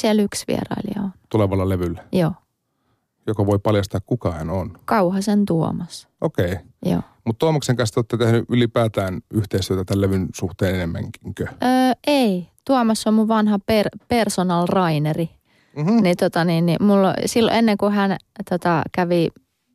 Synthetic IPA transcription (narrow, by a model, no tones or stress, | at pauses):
siɛlyksʋḭḛrɑ̰iliɑ̰ont̪uleʋɑlːɑleʋylːæjoː | jokɑʋoipɑljɑst̪ɑːkkukɑhænonkɑuhɑsent̪uo̰mɑsʔokei | jo̰ː | mut̪t̪uɑmɑkseŋkɑnst̪ot̪ːet̪ehnyʔylipæːt̪æːnyht̪eist̪yøt̪æt̪ælleʋynsuht̪eːnenemːæ̰ŋkiŋkøʔøːeit̪uomɑsːommuʋʋɑnhɑperpersonɑlrɑineri | nit̪ot̪ɑninnimulːo̰silːo̰enːeŋkuhænt̪ot̪ɑkæʋi